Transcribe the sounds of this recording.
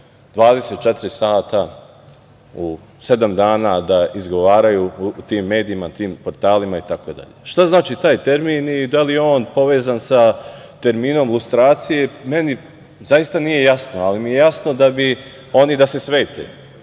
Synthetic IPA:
d̪̥ʋaːd̪eset̪̚t͡ʃe̞t̪iɾisaːt̪a | u | se̞d̪amd̪aːnad̪aizɡo̞ʋaːɾajuːt̪iːmːe̞ːd̪iimat̪iːmpo̞ɾt̪aːlimait̪ako̞d̪a̰ʎḛʃt̪aznaːt͡ʃit̪aːjt̪eɾminid̪alijeo̞ːnpo̞ʋe̞ːzansa | t̪e̞ɾmiːno̞mlˠust̪ɾaːt̪sije̞me̞ni | zajist̪anije̞jasnoalimije̞jasno̞d̪abi | o̞nid̪ase̞sʋe̞ːt̪ḛ

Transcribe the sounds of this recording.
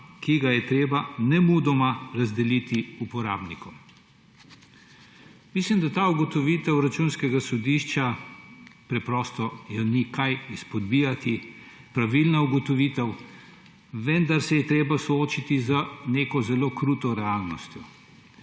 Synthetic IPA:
kiɡajɛt̪ɾeːbanɛmuːd̪ɔmaɾazd̪ɛlit̪iupɔɾa̰ːbnikɔm | mislimd̪at̪aːuɡɔt̪ɔʋiːt̪ɛwɾat͡ʃunskɛɡasɔd̪iʃt͡ʃa | pɾɛpɾɔːst̪ɔjɔnikajispɔd̪bijat̪i | pɾaʋilnauɡɔt̪ɔʋiːt̪ɛw | ʋɛnd̪aɾsɛjɛt̪ɾeːbasɔoːt͡ʃit̪izəneːkɔzɛloːkɾut̪ɔɾɛaːlnɔst̪jɔ

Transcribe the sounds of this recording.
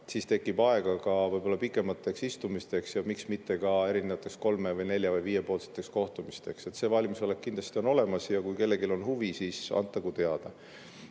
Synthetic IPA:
siːst̪e̞kːˑib̥ɑe̞ɡ̥ɑkɑvɤjb̥o̞lːɑpikːˑe̞mɑt̪ːˑe̞ksist̪umist̪e̞ksjɑmiksmit̪ːe̞kɑe̞ɾinevɑt̪ːˑe̞ksko̞lme̞vɤjne̞lʲjɑvɤjviːje̞po̞ːlset̪ːˑe̞ksko̞ht̪umist̪e̞kse̞t̪ːse̞ːvɑlʲmiso̞le̞k̚kind̪l̥ɑst̪io̞no̞le̞mɑsjɑkujke̞lːe̞ɡilo̞nɦuvisiːsɑ̰nt̪ːˑɑɡ̥ut̪eɑd̪̥ɑ

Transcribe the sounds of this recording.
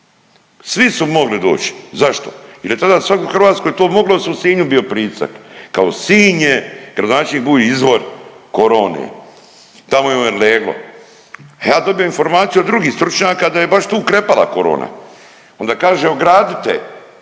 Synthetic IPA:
sʋisumo̞ɡlid̪o̞̰ːt͡ʃi̥zaʃt̪o̰jiljet̪ad̪asʋakoxɾʋaːt̪skojet̪oːmoɡlˠosusiːɲubijo̞pɾiːsa̰kkaosiːɲeɡɾad̪onaːt͡ʃɲibuːliizʋo̞ɾkoɾo̞ːnḛ | t̪amojeoneleːɡlˠo̰ | ajaːd̪o̞bijo̞info̞ɾmaːt̪sijuod̪d̪ɾuɡiːhst̪ɾut͡ʃɲaːkad̪ajebaʃt̪uːkɾepala̰ko̞ɾo̰ːna̰ | o̞nd̪akaːʒeoɡɾaːd̪it̪ḛ

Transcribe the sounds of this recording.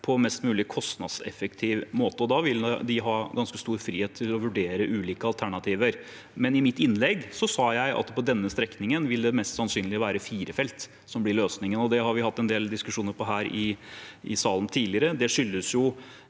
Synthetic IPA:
pʰɔmɛst̪mʉːlɪkʰɔst̪nɑ̰d̪sɛ̰fɛkt̪ʰiːʋmoːt̪əɔd̪ɑʋɪld̪ɪɦɑːɡɑnskəst̪uːɾfɾḭːheːt̪ʰːɪlɔʋʉɖeːɾəʔʉːliːkəɑlt̪ʰæɳɑt̪ʰiːʋəɾ | mɛnɪmɪt̪ːɪnlɛɡsɔsɑːjæɪʔɑ̰t̪pʰɔd̪ɛnːəst̪ɾɛknɪŋənʋɪld̪ɛmɛst̪sɑnsyːnlɪʋæːɾəfiːɾəfɛlt̪ | sɔmblɪɾɭøːsnɪŋənɔd̪ɛɦɑɾʋɪhɑt̪ːɛnd̪eːld̪ɪskʉʂuːnəɾpʰɔɦæːɾɪʔɪ̰sɑːln̩t̪ʰiːlɪəɾəd̪ɛʂʏlːəsjʊ

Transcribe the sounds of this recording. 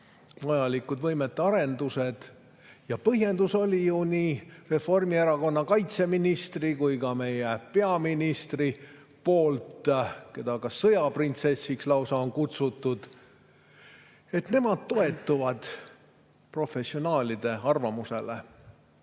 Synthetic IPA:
vɑjɑlikːud̪̥vɤjmet̪ːˑeɑɾe̞nd̪use̞d̪̥ | jɑpɤɦje̞nd̪̥uso̞lʲijuniːre̞fo̞rmieɾɑko̞nːɑkɑjt̪se̞minist̪rikujkɑme̞jepe̞ɑminist̪ri | po̞ːlt̪ke̞d̪ɑkɑsɤjɑprint̪se̞sːikslɑwsɑonkut̪sut̪ːˑud̪̥ | e̞t̪ne̞mɑd̪̥̚t̪o̞e̞t̪ːuvɑd̪̥ | pro̞fe̞sio̞nɑːlʲid̪̥e̞ɑrvɑmuse̞le

